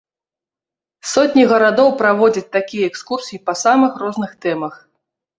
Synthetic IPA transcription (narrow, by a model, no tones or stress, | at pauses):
sɔt̪ʲnʲiɣɐɾad̪ɔwpɾavɔd͡zʲɐt͡sʲt̪akʲijɐɛkskursʲijipɐsamɨxrɔznɨxt̪ɛmɐx